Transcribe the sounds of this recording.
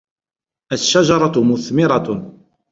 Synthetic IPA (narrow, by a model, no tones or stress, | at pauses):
æʃːaʒɑɾˤɑt̪mʊθmɪɾˤɑ